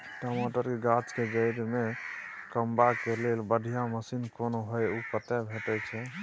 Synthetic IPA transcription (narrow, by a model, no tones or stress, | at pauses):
ʈomoʈəɾkeɡat͡ʃkeɡəjɾme | kəmbakelelbəɖʱijaməsinkonoɦojukət̪ɛbʱeʈɛt͡ʃʰɛ